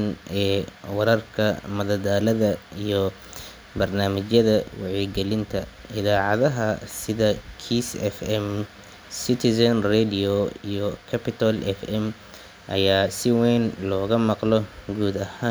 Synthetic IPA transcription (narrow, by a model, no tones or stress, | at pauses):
nɛːwɑɾɐrkʰɐmɐðɐd̪aːlɐðɐijɞ | bɐrnaːmɐt͡ʃjɐðɐwɑ̰ʕiɡɛlɪnt̪ʰɐ | ɪðaːʕɑðɐɦɐsɪðɐkʰiːsɛfɛm | sɪt̪ʰɪsɐnrɛd̪ɪɔḭjɔkʰɐpʰɪt̪ʰɐlʔɛfɛm | ʔɐ̰jaːsɪwɛːnlɔːɣɐmɑqlɔɡuːd̪ɐhaːn